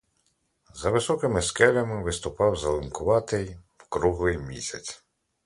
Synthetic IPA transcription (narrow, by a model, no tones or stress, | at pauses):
zɐʋɪsɔkɪmɪskɛlʲɐmɪʋɪst̪ʊpɑwzɐlˠɪnkʊʋɑt̪ɪjwkɾuɦlˠɪjmʲḭsʲɐt͡sʲ